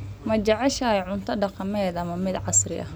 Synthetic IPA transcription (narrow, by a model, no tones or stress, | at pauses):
mɐt͡ʃɐʕɛʃɐjʕʊnt̪ʰɐɖɑqɑmɛːd̪ɐmɐmɪd̪ʕɑsrɪʔɐ̰h